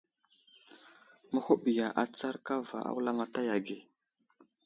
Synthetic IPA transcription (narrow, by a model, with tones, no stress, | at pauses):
mə˦ho˦ɓi˨ja˨ʔa˨t͡sa˦ɾka˦va̰˨ʔa̰˦wla˦ma˦ta˦ja˨ɡe˨